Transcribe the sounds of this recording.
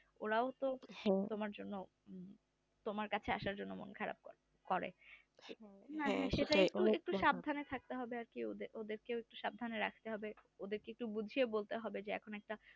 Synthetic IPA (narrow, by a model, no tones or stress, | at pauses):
oɾaot̪ot̪omaɾd͡ʑonːo | t̪omaɾkat͡ɕʰeaʃaɾd͡ʑonːomo̰nkʰaɾa̰b̚ | kɔɾḛ | naaʃeʈaekʈuek̚ʈuʃab̚d̪ʱanet̪ʰak̚t̪eɦɔbeaɾkiod̪eʔod̪eɾkeoek̚ʈuʃab̚d̪ʱaneɾakʰt̪eɦɔbeod̪eɾkeek̚ʈubud͡ʑʱiebolt̪eɦɔbed͡ʑeɛ̰kʰonoɛk̚ʈa